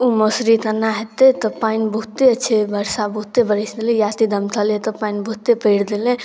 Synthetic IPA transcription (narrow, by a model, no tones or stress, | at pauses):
umosɾid̪ənːaɦet̪et̪ɔpainbəɦut̪eət͡ʃʰebʱəɾsabəɦut̪ebəɾəsd̪elẽjat̪id̪əmt̪ʰalet̪ɔpainbəɦut̪epəjɽd̪elẽ